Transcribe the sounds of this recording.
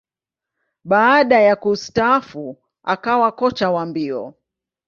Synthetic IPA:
ɓaːɗajakustaafu | a̰kawakɔt͡ʃawambiɔ̰

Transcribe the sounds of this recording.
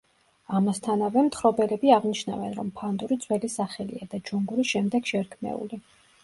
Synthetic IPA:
amast̪ʰanavɛmt̪ʰχɾɔbɛlɛbiaʁniʃna̰vɛnɾɔmpʰand̪uɾid̪zʰʼwɛlisaχɛlḭad̪ad͡ʒuŋɡuɾisʃɛmd̪ɛɡʃɛɾkʰmɛ̰ṵli

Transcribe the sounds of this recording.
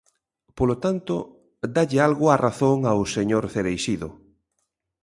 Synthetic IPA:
polot̪ant̪o | d̪aʎealɣʊaraθoŋawseɲoɾθeɾejʃiðo̰

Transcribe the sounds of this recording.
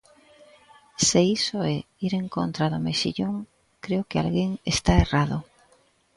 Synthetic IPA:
seisoɛ | iɾeŋkont̪ɾaðomeʃḭʎoŋ | kɾeokɪa̰lɣeŋḛst̪aerað̞ʊ

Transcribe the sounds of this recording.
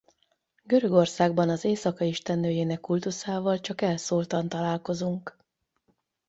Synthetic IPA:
ɡø̞ɾø̞ɡo̞rsaːɡ̚bɒnɒzeːsɒkɒiʃt̪ɛnːøːjeːnɛkːult̪usaːvɒlt͡ʃɒkɛlsoːlt̪ɒnt̪ɒlaːlko̞zuŋk

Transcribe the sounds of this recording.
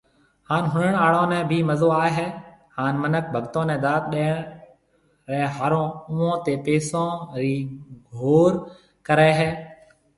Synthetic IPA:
haːnɦʊnəɳ̃aːɭõːnɛ̃ːbʱiːməzoːaːeɦɛːhaːnmənək̚bʱəɡt̪õːnɛ̃ːd̪aːt̪̚ɗeːɳ | ɾɛːɦaːɾõːʊʋõːt̪eːpeːsõːɾiːɡʱoːɾ | kəɾaːɦɛː

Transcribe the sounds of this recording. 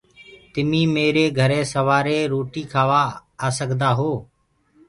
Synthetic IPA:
t̪ɪmĩːmeːɾeːɡʱəɾẽːsəʋaːɾeːɾoːʈiːkʰaːʋaːaːsəɡd̪aːɦoː

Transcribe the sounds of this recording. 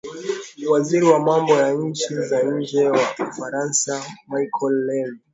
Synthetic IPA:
niwaziɾiwamambɔjaɲ̩t͡ʃizaɲ̩d͡ʒɛwaufaɾansamajkʰɔlːɛl

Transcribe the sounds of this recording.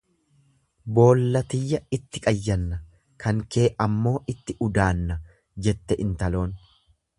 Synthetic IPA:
bo̞ːlːɐt̪ɪjːɐɪt̪ːɪkʼɐjːɐnːɐ | kʰɐŋke̞ːʔɐmːo̞ːʔɪt̪ːɪʔʊd̪aːnːɐ | d͡ʒɛt̪ːɛʔɪnt̪ɐlo̞ːn

